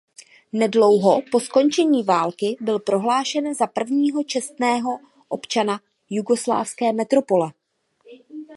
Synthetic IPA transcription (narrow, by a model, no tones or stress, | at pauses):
nɛdlo̞wɦo̞po̞sko̞nt͡ʃɛɲiːvaːlkɪbɪlpɾo̞ɦlaːʃɛnzapr̩vɲiːɦo̞t͡ʃɛst̪nɛːɦo̞ | ʔopt͡ʃana | juɡo̞sla̰ːfskɛːmɛt̪ɾo̞po̞lɛ